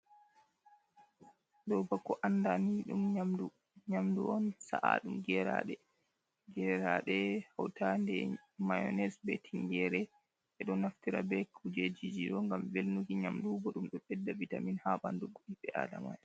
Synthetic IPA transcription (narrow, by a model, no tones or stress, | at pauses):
dɔbakːɔʔandaniɗṵmamdu | ɲamduɔnsa̰ʔa̰ɗumɡɛɾa̰ɗɛ | ɡɛɾaɗɛhawtandɛmajɔ̰nɛsbɛtʰiŋɡɛɾɛ | ɓɛɗɔnaftiɾa̰bɛkʰud͡ʒed͡ʒid͡ʒiɗɔŋɡamvelnukiɲamdubɔɗumɗɔɓɛdːavitaminhabanduɡoɗiɓɛʔa̰dama̰j